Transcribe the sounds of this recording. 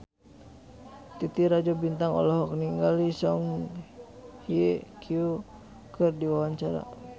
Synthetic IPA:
t̪it̪iɾad͡ʒɔbint̪aŋɔ̰lɔɦɔk̚niŋɡalisɔŋ | hiekʰju | kɨrdiwawaɲt͡ʃaɾa̰

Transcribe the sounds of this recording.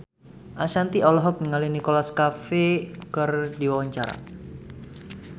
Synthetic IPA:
ʔasant̪iɔlɔɦɔk̚niŋalinikolaskafekərdiwawaɲt͡ʃaɾa̰

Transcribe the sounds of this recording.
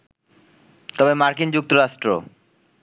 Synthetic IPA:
t̪ɔbemaɾkind͡ʑuk̚t̪oɾaʃʈɾo̰

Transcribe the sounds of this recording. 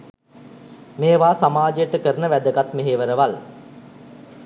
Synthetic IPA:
meːʋaːsamaːd͡ʒəjəʈəkəɾənəʋæd̪əɡat̪meɦeːʋəɾəʋal

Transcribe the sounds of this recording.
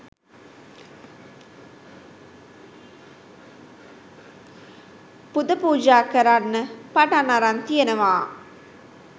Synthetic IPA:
pud̪ɐpuːd͡ʒaːkɐɾanːəpaʈanaɾant̪ijenəʋaː

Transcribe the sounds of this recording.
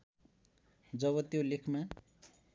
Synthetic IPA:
d͡zʌβʌt̪jolekʰma

